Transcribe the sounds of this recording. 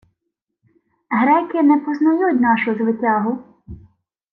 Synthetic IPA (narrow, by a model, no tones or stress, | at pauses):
ɦɾɛkɪnɛpɔznɐjutʲnɑʃʊzʋɪtʲɑɦʊ